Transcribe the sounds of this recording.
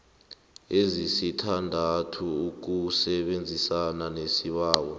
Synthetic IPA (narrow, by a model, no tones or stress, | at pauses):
ezisitʰandʱatʰuːk̬usɛɓend͡zʱisananesiɓaːɓɔ